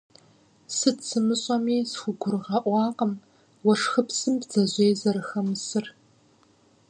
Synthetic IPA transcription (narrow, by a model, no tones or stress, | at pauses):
sɨtsɨmɨɕʼɐmiːsxʷʊɡʷʊrɨʁɐʔʷɑːqəm | wɐʂxɨpsɨmbz̥ɐʑʷeːzɐɾɨxɐmɨsɨr